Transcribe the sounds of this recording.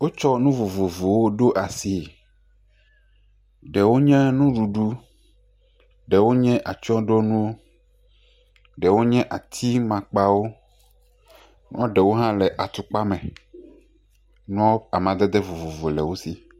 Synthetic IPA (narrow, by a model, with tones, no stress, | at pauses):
wo˦t͡ʃɔ˦nũ˦vo˨vo˨vo˨wo˦ɖo˦ʔa˨si˨ | ɖɛ˨wo˦ɲɛ̃˦nũ˦ɖu˨ɖu˦ | ɖɛ˨wo˦ɲɛ̃˦ʔa˨t͡ʃɔ̃˦ɖo˦nũ˦wo˦ | ɖɛ˨wo˦ɲɛ̃˦ʔa˨t̪ʰi˦mã˨k͡pa˦wo˦ | nũ˦ɔ̃˦ɖɛ˨wo˦ɦã˦lɛ˨ʔa˨t̪u˨k͡pa˦mɛ̃˨ | nũ˦ɔ˦a˨mã˨d̪ɛ˦d̪ɛ˦vo˨vo˨vo˨lɛ˨wo˦si˨